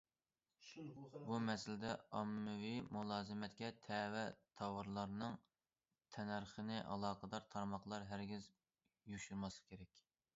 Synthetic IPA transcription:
bumɛsɪlɪd̪ɛɑmːɨwimulˠɑːzɨmɛt̪kʲɛt̪ʰɛwɛt̪ʰɑwɑɾlˠɑɾnɨŋ | t̪ʰɛnæɾχənɨʔɑ̰lˠɑːqʰəd̪ɑɾt̪ʰɑɾmɑχlˠɑɾɦæɾɡʲɪz | juʃuɾmɑslˠɨ̥kʲʰeɾɛkʲ

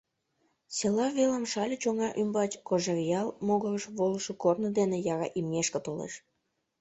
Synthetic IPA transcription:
selɑβeləmʃɑlʲət͡ɕoŋɑʔymbɑt͡ɕkoʒerjɑlmoɣərəʃβoləʃokornə̆d̪enejɑɣɑ̰ʔimŋʲeʃkə̆t̪olḛʃ

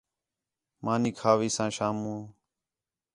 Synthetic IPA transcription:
mʔãːniːkʰaːʋiːsãːʃaːmũː

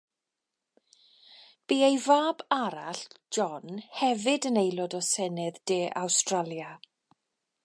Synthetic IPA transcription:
b̥iːejvaːbaɾaɬd͡ʒɔnhɛvɪdənejlˠɔdɔsɛnɪðd̥eːʔawstralˠja

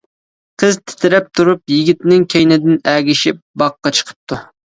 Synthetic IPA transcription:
qʰəzt̪ʰɪ̥t̪ʰɪɾɛp̚t̪ʰuɾupjiɡʲit̪nɪŋkʲʰejnɪd̪ɪnæːɡʲiʃɪp̚bɑqːɑt͡ʃʰə̥qʰə̥p̚t̪ʰu

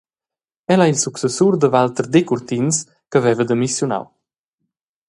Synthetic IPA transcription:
ɛlailsuksəsuɾd̪əvalt̪əɾd̪ekuɾt̪ins | kəvɛvəd̪əmisjuna̰w

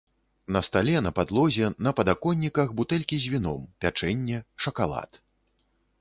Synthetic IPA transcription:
nɐst̪alʲɛnɐpad̪lˠɔzʲɛnɐpɐd̪akɔnʲːikɐxbut̪ɛlʲkʲizʲvʲinɔ̰mpʲat͡ʂɛnʲːɛʂɐkalˠa̰t̪

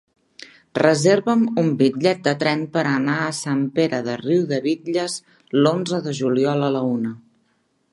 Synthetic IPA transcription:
rəzeɾβəmumbiʎɛt̪̚d̪ət̪ɾɛnpəɾənaəsampeɾəðəriwðəβiʎəz | lonzəðəʒuliɔlələunə

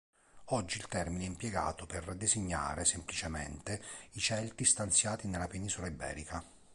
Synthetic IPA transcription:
ɔd͡ʒːiːlt̪ɛrmineɛimpjɛɡa̰ːt̪ʊperd̪eziɲːa̰ːɾesemplit͡ʃemḛnt̪eit͡ʃɛlt̪ist̪ant̪sjaːt̪inelːapeniːzolaibɛ̰ːɾika

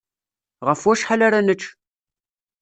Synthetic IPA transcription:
ʁəfwæʃħalaɾanət͡ʃː

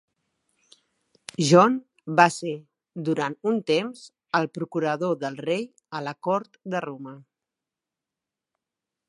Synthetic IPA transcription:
ʒɔn | base | d̪uɾant̪unt̪emz̥ | əlˠpɾukuɾəðoðəlˠrej | ələkɔɾt̪d̪əromə

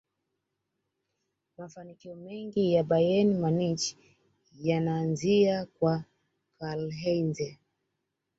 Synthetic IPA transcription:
mafanikiɔmɛŋɡijaɓajɛnimanit͡ʃ | janaːnziakwa | kalɦɛnzɛ

